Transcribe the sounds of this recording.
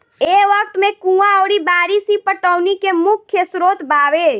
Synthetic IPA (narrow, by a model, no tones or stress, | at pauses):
eːʋək̚t̪mẽkũːãɔːɾibaːɾisipəʈəʊnikemʊkʰːjəsɾoːt̪baːʋeː